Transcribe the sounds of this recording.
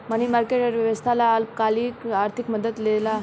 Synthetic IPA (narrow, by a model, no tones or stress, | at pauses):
məñimaɾkeʈəɾʋjəʋəst̪ʰalaːlkaliːkaɾt̪ʰikməd̪ət̪lela